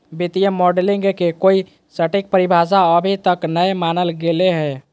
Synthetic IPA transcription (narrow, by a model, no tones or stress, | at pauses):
bit̪ijəmoɖliŋɡkekoi | səʈik̚pəɾibʱas̬aəbʱit̪əknəemanəlɡeleɦɛː